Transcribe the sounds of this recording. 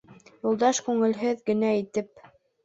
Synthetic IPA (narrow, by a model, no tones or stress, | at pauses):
julˠd̪ɑʃkʉŋɘ̆lɦɘðɡɘ̆næit̪ɘp̚